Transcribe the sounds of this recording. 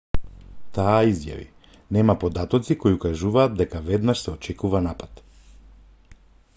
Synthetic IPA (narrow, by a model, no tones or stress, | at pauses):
t̪aːizja̰vḭ | nɛmapod̪at̪ɔt̪sikojukaʒuvaːt̪̚d̪ɛkavɛd̪naʃsɛɔt͡ʃɛkuvanapat̪